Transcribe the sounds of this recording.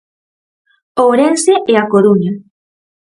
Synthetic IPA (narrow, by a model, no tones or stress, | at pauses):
oɾenseʔeakoɾuɲa